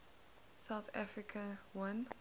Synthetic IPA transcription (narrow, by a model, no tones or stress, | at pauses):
saʊθa̰fɹikʰəwãn